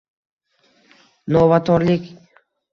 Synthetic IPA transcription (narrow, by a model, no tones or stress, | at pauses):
novat̪ʰɒɾlɪkʲ